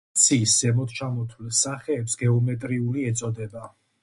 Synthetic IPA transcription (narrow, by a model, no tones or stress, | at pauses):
t̪sʰiszɛmɔt̪̚t͡ʃʰamɔt̪ʰwlisːaχɛːpsɡɛɔmɛt̪ʼɾiuliɛt̪sʼɔd̪ɛba